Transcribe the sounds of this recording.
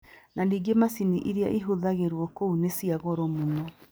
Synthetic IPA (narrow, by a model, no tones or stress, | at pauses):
nandiɡemasiniʔiɾiaʔiɦoðaɣeɾwɔkounesiaɣɔɾɔmonɔ